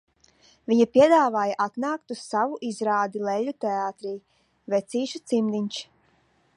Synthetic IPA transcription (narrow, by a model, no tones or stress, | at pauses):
vʲiɲapʲiɛd̪aːvaːjaʔat̪naːk̚t̪ussavuʔizɾaːd̪ilˠɛʎʲːut̪ɛaːt̪ɾiː | vɛt̪siːʃut̪simd̪iɲʲt͡ʃ